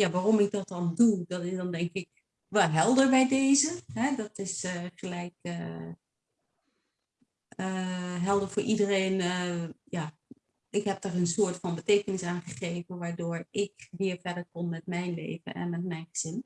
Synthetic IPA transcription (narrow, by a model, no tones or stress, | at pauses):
jaʋaːromɪk̚dɔt̚dɔndudɔtɪsdɔndɛŋkɪk̚ | ʋɛlˠɦɛlˠdəɹbɛjdeːzəɦɛdɔtɪsəχəlɛjkə | əɦɛlˠdəɹfoːɹʔidəreːnəja | ɪkhɛp̚tɔrənsʊːətfɔnbəteːkənɪsaːnχəχeːvənʋaːɹdoːɹɪkʋɪːɹfɛdəɹkonmɛtmɛjnlḛːvə̰nɛ̰nmɛt̚mɛjnχəz̥ɪn